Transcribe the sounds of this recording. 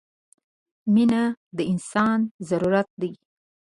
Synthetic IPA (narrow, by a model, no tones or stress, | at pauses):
minad̪əɪnsɑnzaɾuɾat̪̚d̪aj